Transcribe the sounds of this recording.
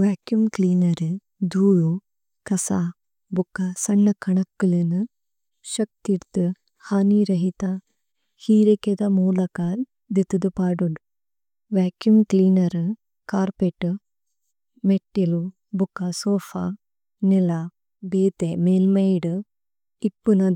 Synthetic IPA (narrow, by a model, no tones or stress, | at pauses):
ʋaːkjumkliːnɐɾɨ | d̪uːɻu | kɐsa | bukːasɐɳːɐkʰːɐɳɐkːɐlinɨ | ʃɐk̚t̪iɽt̪ːɨ | haːniɾɐɦit̪a | hiːɾɐked̪ɐmuːlɐkaːl | d̪it̪ːud̪upaːɖuɳ | ʋaːkjumt̪ilnɐɾɨ | kaːɾpeʈːɨ | meʈːilu | bukːɐsoːfa | nila | beːt̪emeːlmɐjɖɨ | ipːunɐ